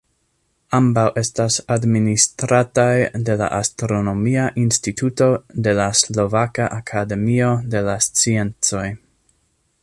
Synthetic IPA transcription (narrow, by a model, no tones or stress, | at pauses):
ambawʔe̞stasadministɾatajde̞la̰ʔastɾo̞no̞miaʔinstitʰuto̞de̞laslo̞vakaʔakʰade̞mio̞de̞last͡sie̞nt͡so̞j